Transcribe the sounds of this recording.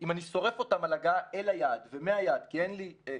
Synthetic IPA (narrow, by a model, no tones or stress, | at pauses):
ʔimaniso̞ʁe̞fo̞tamalaɡaelajadvemeajad̪kienli